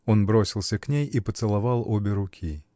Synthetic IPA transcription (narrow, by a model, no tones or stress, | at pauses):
o̞nbɾosʲɪlˠsʲəknʲejipət̪sɨlˠɐvɑlˠobʲɪɾʊkʲʰi